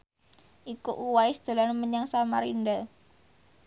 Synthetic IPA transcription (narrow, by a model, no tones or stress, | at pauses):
ʔikuʔuwaisd̪̥a̤lanməɲaŋsamaɾinda